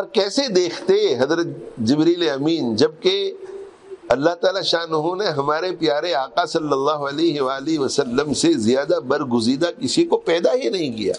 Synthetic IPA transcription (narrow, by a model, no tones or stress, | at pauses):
ɔɾkɛːsed̪eːkʰt̪eɦɐzɾət̪d͡ʒɪbɾiːleɐmiːnd͡ʒɐb̚ke | ɐlːaɦt̪aːlaʃaːnʊɦõneɦɐmaːɾepjaːɾeaːqasɐlːɐlːaːɦoɐleːɦeʋaːliʋɐsɐlːəmsezɪjaːd̪abɐɾɡʊziːd̪akɪsikopɛːd̪aɦinɐɦĩkija̰ː